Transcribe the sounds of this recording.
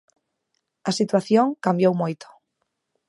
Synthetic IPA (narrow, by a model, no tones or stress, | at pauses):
ɐsit̪waθjõŋkambjowmojt̪o̥